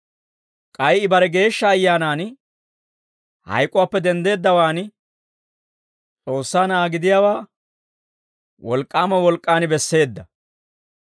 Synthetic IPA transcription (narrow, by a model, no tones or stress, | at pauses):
kʼɐjɪbɐɾɛɡe̞ːʃːɐːjːaːnaːn | hɐ̰jkʼʊwaːpːɛd̪ɛnd̪e̞ːd̪ːɐwaːn | t͡sʼo̞ːsːaːnaːɡɪd̪ɪjaːwaː | wɔlkʼːaːmɐwɔlkʼːaːnɪbɛsːe̞ːd̪ːɐ